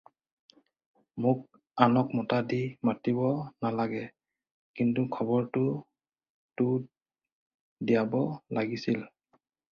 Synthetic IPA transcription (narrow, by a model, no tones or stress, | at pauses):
mʊk̚ | anɔkmɔtadimatibɔnalaɡɛ | kintukʰɔbɔɹtʊ | tu | dijabɔlaɡisil